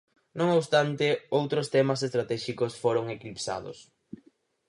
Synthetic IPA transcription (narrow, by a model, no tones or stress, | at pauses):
nõŋoβst̪ant̪ɪowt̪ɾost̪ɛmɐsest̪ɾat̪ɛʃikʊsfoɾoŋekɾipsa̰ðʊ̰s